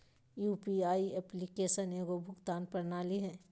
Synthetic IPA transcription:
juːpiaːiɛplikeːʃəneːɡobʱʊkt̪aːnpɐɾnaːliɦɛ̃ː

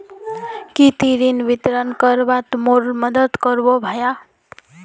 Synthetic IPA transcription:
kit̪iɾinbit̪ɾʌnkʌɾbat̪moɾmʌd̪ʌt̪kʌɾbobʱʌja

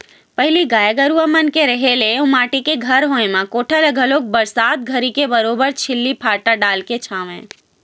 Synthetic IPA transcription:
pəɦɪliɡaːjəɡəɾuʋəmənkeɾəɦeleũmaːʈikeɡʱəɾɦõẽmãkoʈʰaləɡʱəloːk̚bəɾsaːt̪̚ɡʱəɾikebəɾoːbəɾt͡ʃʰɪlːipʰaːɾʈəɖaːlket͡ʃʰãːʋḛ̃

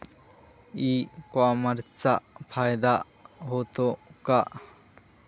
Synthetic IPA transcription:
ikwamɐɾt͡saʔpʰajd̪a | ɦot̪okaʔ

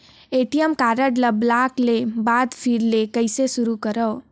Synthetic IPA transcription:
eʈijəmkaɾəɖləblaklebad̪fʰiɾlekəɪsesuɾukəɾəː

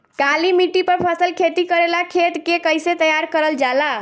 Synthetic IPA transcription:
kalimiʈipəɾpʰəsəlkʰet̪ikəɾelakʰet̪kekəjset̪əjaɾkəɾəld͡ʒala

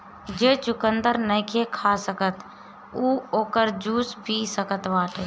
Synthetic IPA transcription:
d͡ʒeːt͡ʃʊkənd̪əɾnəkʰekʰasəkət̪ | uːoːkəɾd͡ʒuːsbʱisəkət̪ʋaːʈeː

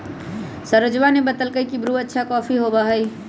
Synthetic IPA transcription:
səɾəd͡ʒʋanebət̪əlkəikibɾuːətːʃʰakɔːfiɦoːbaɦɐi

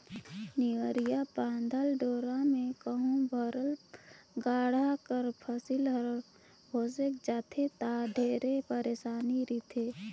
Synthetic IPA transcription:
niəɾijapãːnd̪ʱəlɖoːɾamẽkəɦũbʱəɾəlɡaːɽ̤akəɾpʰəsilɦəɾ | ɦoːsekd͡ʒaːt̪ʰet̪aɖʱeːɾepəɾeːsaːniɾit̪ʰe

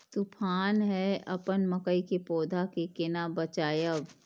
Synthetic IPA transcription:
t̪upʰaːnɦɛʔɐpənmɐkəikepoːd̪ʱakekɪnabɐt͡ʃaːjəb

